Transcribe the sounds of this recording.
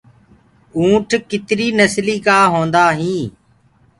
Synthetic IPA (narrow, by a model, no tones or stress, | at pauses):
ũːʈʰkɪt̪ɾiːnəsliːkaːɦõːnd̪aːɦĩː